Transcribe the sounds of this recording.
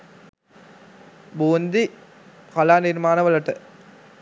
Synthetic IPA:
buːnd̪i | kɐlaniɾmaːnɐʋɐlɐʈːɯ

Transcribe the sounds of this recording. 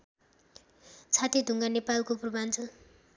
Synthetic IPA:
t͡sʰat̪id̪ʱuŋɡanepalkoprbant͡sʰʌ

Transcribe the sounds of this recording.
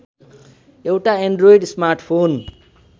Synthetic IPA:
ewʈaeɳɖroiɖsmarʈʰpʰon

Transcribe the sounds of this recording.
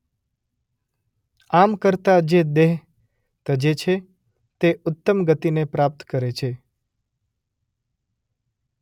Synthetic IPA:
amkəɾt̪ad͡ʒed̪eɦ | t̪əd͡ʒet͡ʃʰe | t̪eʊt̪ːəmɡət̪inepɾap̚t̪kəɾet͡ʃʰe

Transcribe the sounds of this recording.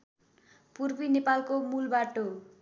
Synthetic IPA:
purbinepalkomulbaʈo

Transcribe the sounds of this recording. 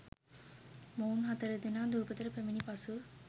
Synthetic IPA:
moːnɦɐt̪əɾəd̪enaːd̪uːpət̪əɾəpemenipasuʋ

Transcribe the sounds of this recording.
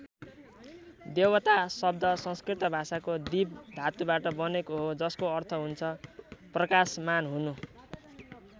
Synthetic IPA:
d̪ewʌt̪asʌb̚d̪ʱʌsʌ̃ŋskrit̪ʌbʱasakod̪ibd̪ʱat̪ubaʈʌbʌnekoɦod͡zʌskoʌrt̪ʰʌɦunt͡sʰʌprʌkasmanɦunu

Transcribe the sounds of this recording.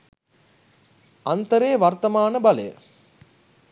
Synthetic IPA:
ɐnt̪əɾeːʋɐrt̪əmaːnəbalə̰jə̰

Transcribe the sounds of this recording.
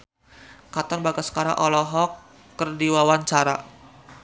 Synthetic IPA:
kat̪ɔrbaɡasə̥kaɾa̰ʔɔlɔɦɔkː | ərdiwawaɲt͡ʃaɾa

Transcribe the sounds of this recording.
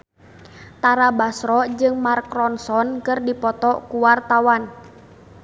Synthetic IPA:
t̪aɾabasɾɔd͡ʒɨŋmarkɾɔnsɔnkɨrdipɔt̪ɔkuwart̪awan

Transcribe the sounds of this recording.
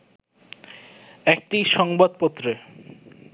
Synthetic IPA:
ɛk̚ʈiʃɔŋbad̪̚pot̪ːɾe

